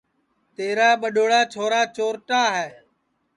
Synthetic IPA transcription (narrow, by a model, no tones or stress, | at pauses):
t̪eːɾaːɓəɗoːɽaːt͡ʃʰoːɾaːt͡ʃoːɾʈaːɦɛː